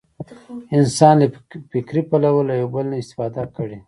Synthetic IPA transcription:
ɪnsɑnlefɪkɾipalawəlajawbəlnaɪst̪ɪ̥fɑd̪akəɽe

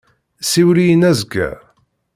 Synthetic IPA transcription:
siwlijənæzɡæ̰

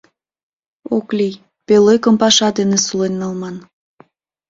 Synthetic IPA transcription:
oklʲij | pelekəmpɑʃɑd̪enesulenːɑlmɑn

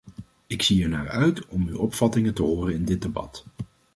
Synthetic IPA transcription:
ɪksiɛɹnaːɹœɥtɔmywɔpfɑtɪŋətəɦoːrənɪndɪd̚debɑ̰t

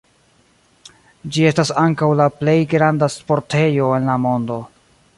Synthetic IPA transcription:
d͡ʒie̞stasaŋkawlaple̞jɡɾandaspo̞ɾtʰe̞jo̞e̞nlamo̞ndo̞

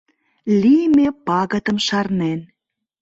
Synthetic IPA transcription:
lijmepɑɣə̆t̪ə̆mʃɑrnen

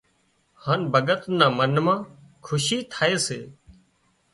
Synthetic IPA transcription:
haːnbʱəɠət̪nãːmənmãː | kʰʊʃiːt̪ʰaːeːsḛː

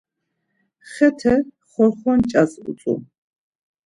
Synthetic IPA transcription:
χɛt̪ʰɛ | χɔɾχɔnt͡ʃʼasṵt͡s̪ʼṵ

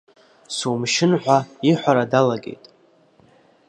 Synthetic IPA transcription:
sumʃɪnħʷᶣaiħʷaɾadalaɡʲe̞̰jtʼ

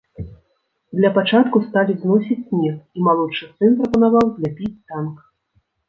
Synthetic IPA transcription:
d̪lʲɐpat͡ʂat̪kust̪alʲiznɔsʲit͡sʲsʲmʲɛximalˠɔt͡ʂɨsɨnpɾɐpɐnavawzʲlʲapʲit͡sʲt̪ank

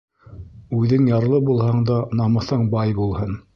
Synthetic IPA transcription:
ʉðɘŋjɑɾlˠɤbulˠhɑɴd̪ɑnɑmɤ̆θɤɴbɑjbulˠhɤn

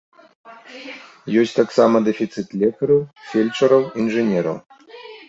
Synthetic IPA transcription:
jɔsʲt̪aksamɐd̪ɛfʲit̪sɨt̪lʲɛkɐɾɐwfʲɛlʲt͡ʂɐɾɐwinʐɨnʲɛɾɐ̰w

